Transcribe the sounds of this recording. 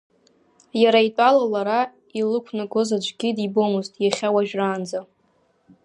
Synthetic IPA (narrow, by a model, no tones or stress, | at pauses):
jaɾaitʷʼalalaɾa | ilɨkʷʰnɨɡozad͡ʒʷʰʼɡʲidibomɨztʼjaχʲawaʒᶣraːnd͡za